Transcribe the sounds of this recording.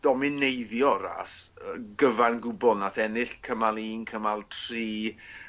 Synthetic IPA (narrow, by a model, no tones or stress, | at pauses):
d̥ɔmɪnejðjɔɾa̰səɡəvanɡʊbɔlˠnaθɛnɪɬkʰəmalˠiːnkʰəmalˠtʰriː